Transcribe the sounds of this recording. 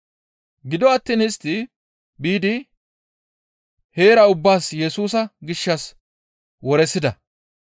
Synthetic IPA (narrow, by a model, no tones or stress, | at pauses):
ɡɪd̪ɔɐt̪ːiːnɪst̪ːɪ | biːd̪ɪ | he̞ːɾɐʊbːaːsjɛsuːsɐɡɪʃːɐs | wɔɾɛsːɪd̪ɐ